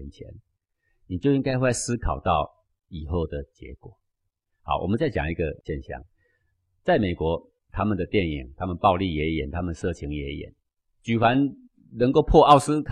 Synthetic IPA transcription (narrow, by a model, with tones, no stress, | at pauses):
nt͡ɕʰjɛ̰˧˦n | ni˨˩t͡ɕjo˥˧ʊi˦ŋka˥ɪxwe˥˩˧sɹ̩˦kʰɑ˨˩ʊt̪ɑ˥˩ʊ | i˨˩xo˥˩ʊd̪ə˩t͡ɕjɛ̰˧˦kwɔ˨˩ | hɑ̰˨˩˦wɔ̰˨mə˦nt͡sa˥˩ɪt͡ɕjɑ̰˨˩ŋi˧˥ɡə˨ɕjɛ˥˧nɕjɑ̰˥˨˩ŋ | t͡sa˥˩ɪme˨˩ɪkwɔ˧˦ | t̪ʰa˥mə˨nd̪ə˩t̪jɛ˥˩nḭ˨˩ŋt̪ʰa˦˥mə˨npɑ˥˧ʊli˥˨jɛ˧˥jɛ̰˨˩nt̪ʰa˦˥mə˨nʂɤ˥˨t͡ɕʰi˧˥ŋjɛ˧˥jɛ̰˨˩˦n | t͡ɕy˨˩fa˧˦n | nə˧˦ŋko˥˧ʊpʰwɔ˥˧ɑ˥˧ʊsɹ̩˥kʰ